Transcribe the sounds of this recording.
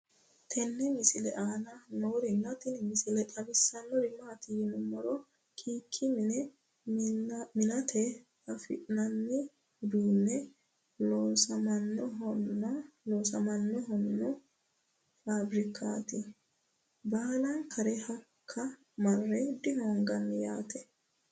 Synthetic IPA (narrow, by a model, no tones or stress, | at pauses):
t̪ʰɛnːɛmɪsɪlɛʔaːnɐnoːɾɪnːɐt̪ɪnmɪsɪlɛtʼɐbɪsːɐnːɔɾɪmaːt̪ɪjɪnʊmːɔɾɔ | kʰiːkʰːɪmɪnɛ | mɪnɐt̪ʰɛ | ɐfɪ̰ʔnɐnːɪ | d̪uːnːɛ | losɐmɐnːɔɦɔnːɔloːsɐmɐnːɔɦɔnːɔ | faːbɾɪkʰːaːt̪ɪ | baːlɐnkʰɐɾɛhɐkʰːɐ | mɐrːɛd̪ɪhɔːŋɡɐnːɪja̰ːt̪ɛ